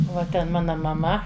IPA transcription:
ʋɐ ˈtʲɛn ˈmɑːnɐ mɐˈmɐ

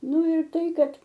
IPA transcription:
ˈnʊ ɪr ˈtɐɪ ˈkɐt

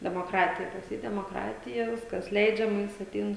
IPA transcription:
dʲɛmoːˈkrɑːtʲɪjɛ pɐs ˈjiː dʲɛmoːˈkrɑːtʲɪjɛ ˈʋʲɪskɐs ˈlʲɛɪd͡ʒʲɛmɐ ˈjɪs ɐtʲˈɛɪn

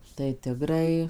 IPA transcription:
tɐɪ ˈtʲɪɡrɐɪ

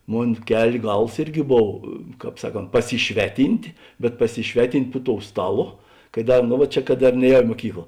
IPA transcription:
ˈmoːn ˈkʲɛlʲ ˈɡɐlˠs ˈɪrʲˌɡʲɪ ˈboːw ˈkɑːp ˈsɑːˌkoːnt pɐsʲɪˈʃʲʋʲæːˌtʲiːnʲtʲ bʲɛt pɐsʲɪˈʃʲʋʲæːˌtʲɪnʲtʲ pʊ toːʊ ˈstɑːˌlˠoː kɐ ˈdɐ ˈnʊ ʋɐ ˈt͡ʃʲɛ kɐt ˈdɐr ˈnʲɛːˌjɛʊ ɪ muɔˈkʲiːklˠɐ

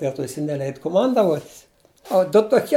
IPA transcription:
bʲɛ ˈtoː jɪˈsɐɪ nʲɛˈlʲɛɪt kʊˈmɐndɐʋuɔtʲ oː dʊ toːˈkʲiɛ

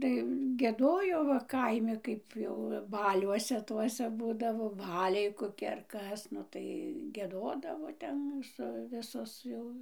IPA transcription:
tɐɪ ɡʲiɛˈdoːjoː ʋɐ ˈkɐɪmʲɪ ˈkɐɪp jɛʊ ˈbɑːlʲuɔsʲɛ ˈtuɔsʲɛ ˈbuːdɐʋoː ˈbɑːlʲɛɪ koːˈkʲɪ ɐr ˈkɐs ˈnʊ tɐɪ ɡʲiɛˈdoːdɐʋoː ˈtʲɛn sʊ ˈʋʲɪsoːs jɛʊ

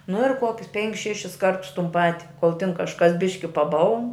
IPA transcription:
nʊ ɪr ˈkuɔkʲʊs ˈpʲɛŋʲkʲɪs ˈʃʲæːʃʲɪs ˈkɐrtʊs tʊn ˈpɑːtʲɪ koːlˠ tʲɪn kɐʃˈkɐs ˈbʲɪʃʲkʲɪ pɐˈbɐlˠn

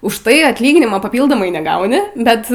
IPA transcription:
ʊʃ ˈtɐɪ ɐtʲˈlʲiːɡʲɪnʲɪmoː pɐˈpʲiːlˠdoːmɐɪ nʲɛˈɡɐʊnʲɪ ˈbʲɛt

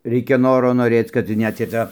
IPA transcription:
ˈrʲɛɪkʲɛ ˈnoːroː noːˈrʲeːt͡s kɐt ˈnʲɛt ɪ ˈtɑː

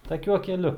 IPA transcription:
tɐˈkʲuɔ kʲɛˈlʲʊ

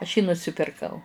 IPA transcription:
ɐʃ jiː nʊsʲɪpʲɪrˈkɐʊ

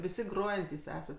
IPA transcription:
ʋʲɪˈsʲɪ ˈɡroːjɛnʲtʲiːs ˈæːsɐt

